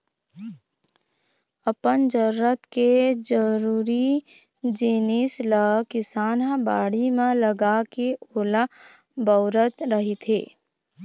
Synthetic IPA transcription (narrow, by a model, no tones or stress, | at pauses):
əpənd͡ʒəɾːət̪ked͡ʒəɾuːɾi | d͡ʒinɪsləkɪsaːnɦãbaːɽimẽləɡakeoːla | bəʊɾət̪ɾəɦit̪ʰeː